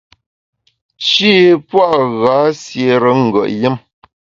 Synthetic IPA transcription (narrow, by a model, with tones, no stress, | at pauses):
ʃiː˦pwa˦ʔɣa˨˦sje˨ɾə˨˦ŋ̩˨ɡə̰˨ʔjə˦m